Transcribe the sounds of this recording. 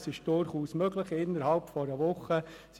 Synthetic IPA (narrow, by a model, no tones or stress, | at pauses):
sɪʃd̥ʊɾχuːsmøɡləχɪnːəɾhɑlpfɔɾəʋʊχːə | s